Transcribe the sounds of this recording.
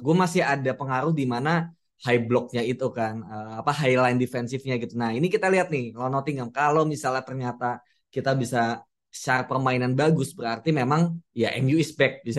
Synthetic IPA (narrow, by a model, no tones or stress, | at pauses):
ɡuamasɪhadapəŋaɾʊhdimana | hajblɔk̚ɲait̪ukanəapaɦajlajndifɛnsɪfɲaɡit̪unainikit̪aliɦat̪̚nɪhlanɔt̪iŋamkalomisalat̪ərɲat̪a | kit̪abisa | t͡ʃaɾapərmainanbaɡʊsbəɾart̪imemaŋjaʔɛ̰mjuispɛk̚t̪̚bisa